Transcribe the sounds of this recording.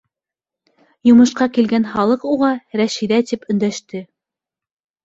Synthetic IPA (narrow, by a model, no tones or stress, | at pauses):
jŏmɤ̆ʃqɑkilɡænχɑlˠɤquʁɑɾæʃiðæt̪ipɵ̆nd̪æʃt̪ɘ